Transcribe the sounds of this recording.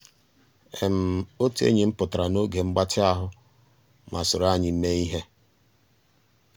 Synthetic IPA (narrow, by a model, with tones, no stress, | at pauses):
e˨m̩˨o˦tḛ˦ɲi˨˦m̩˦pʊ˨tɾa˨no˦ɡe˨ŋ͡m̩˦ɡ͡ba˦tʰɪ˦a˦ɦʊ˦ | ma˨sʊ˨ɾa˦ɲɪ˨m̩˦me˦i˦ɦe˦